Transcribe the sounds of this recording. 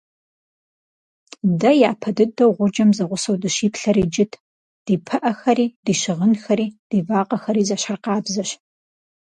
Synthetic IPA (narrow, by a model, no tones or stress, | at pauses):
dɐjaːpʰɐdɨdɐwʁʷʊd͡ʒɐmzɐʁʷʊsɐwdɨʃiːpʰɬɐɾiːd͡ʒɪtʰ | d̥iːpʰɐʔɐxɐɾiːd̥iːɕɪʁənxɐɾiːd̥iːvaːqɐxɐɾiːzɐɕɐrqɑːbzɐɕ